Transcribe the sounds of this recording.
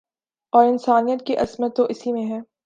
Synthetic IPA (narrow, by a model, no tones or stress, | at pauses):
ɔːɾɪnsaːnijət̪̚kiʔɐzmət̪ːoʔɪsimẽɦɛː